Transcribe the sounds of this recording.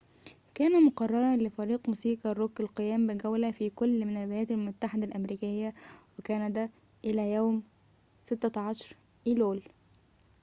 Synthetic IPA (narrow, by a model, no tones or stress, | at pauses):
kæːnæmoqɑrˤːɑɾˤɑnlɪfæɾiːqmuːsiːqɑɾˤoɡelqejæːmbɪɡæwlæfiːkolːmɪnælbejæːt̪ælmʊt̪ːaħed̪ælʔæmɾiːkɪjːæwekænæd̪æ | ʔɪlæːjæːm | sɪt̪ːæʕɑʃɑɾˤ | ʔiːloːl